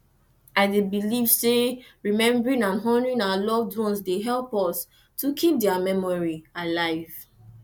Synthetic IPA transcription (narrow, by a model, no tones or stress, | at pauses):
aɪdebiliv̥seɹimɛ̃mbɹĩnãnɦɔ̃nɹĩnawalɔvdɹɔ̃nsdeɦɛlpɔs | tukʰip̚dɛamɛmɔɹialaɪv̥